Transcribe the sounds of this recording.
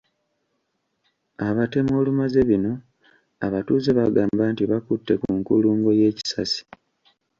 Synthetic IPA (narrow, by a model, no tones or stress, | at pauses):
aβate̞mo̞ːlumaze̞βino̞ | a̰βatuːzeβaɡaːmbaːntiβakutːe̞kuŋkuluːŋɡo̞je̞ːci̥sasi̥